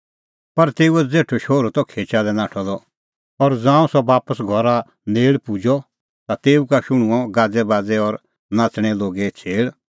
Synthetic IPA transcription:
pɐɾt̪eːuɛd͡zeːʈʰoʃoːɾot̪ɔkʰeːt͡ʃad̪ɛnãːʈʰɔlɔ | ɔɾd͡zãːũsɔbaːpəsɡʱɔɾa | neːɭpud͡ʒɔ | t̪at̪eːukaʃʊɽ̃ũɔɡaːd͡zɛbaːd͡zɛɔɾ | nãːt͡sɽ̃ɛloːɡɛt͡sʰeːɭ

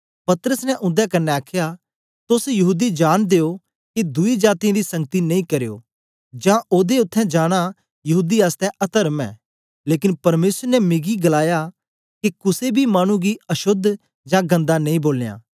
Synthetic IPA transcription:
pɐt̪ɾəsnɛʔʊ̃nd̪jakɐnːɛaːkʰja | t̪ʊsjɐɦuːd̪id͡ʒaːɽ̃d̪eːo | kid̪ʊid͡ʒaːt̪ijãːd̪isɐ̃ŋɡət̪inɐĩkɐɾejo̰ː | d͡ʒãʔoːd̪eʊt̪ʰːɛ̃d͡ʒaːɽ̃a | jɐɦuːd̪iaːst̪ɛʔɐt̪əɾmɛ̰ː | leːkɪnpɐɾmeːsəɾnɛmɪɡiɡɐlaːja | kikʊsebʱimaːɽ̃ũɡiɐʃʊd̪ʱ | d͡ʒãɡɐ̃nd̪anɐ̃ĩboːlejã̰ː

